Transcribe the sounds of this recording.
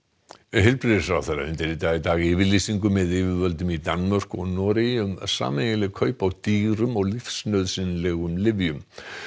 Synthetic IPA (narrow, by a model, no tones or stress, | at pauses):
ɦɪlpɾɪðɪ̥fɾawθejɾa̰ʏ̰nt̪ɪɾɪt̪aːɣit̪aːɣɪːvɪlisiŋkʏmːɛðɪːvɪvœlt̪ʏmit̪anmar̥kɔɣnɔːɾɪʏmasa̰ːmeɣɪlɪkʰœːɥpawt̪iːɾʏmɔɣlifsnœɥðsɪnlɛɣʏmlɪvjʏm